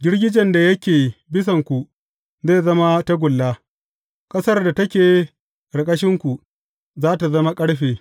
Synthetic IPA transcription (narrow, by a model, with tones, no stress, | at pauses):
ɡʲɪ˦ɽɡʲɪ˦d͡ʒɛ˨nda˨jɐ˦kʲeː˨bɪ˦s̬ɐ˨ŋkʷu˨ | zeː˦˨zɐ˦ma˦ta˦ɡʷʊ˨lːa˦ | kʼɐ˦sɐ˦rda˨tɐ˦kʲeː˨ | ɽɐ˨kʼɐ˦ʃɪ˦ŋkʷu˨ | zaː˦ta˨zɐ˦ma˦kʼɐ˦ɽɸeː˨